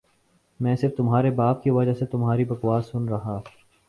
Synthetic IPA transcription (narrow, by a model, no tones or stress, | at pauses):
mɛ̃ːsɪɾft̪ʊmɦaːɾebaːp̚kiʋɐd͡ʒaset̪ʊmɦaːɾibɐkwaːsʊnɾɐɦa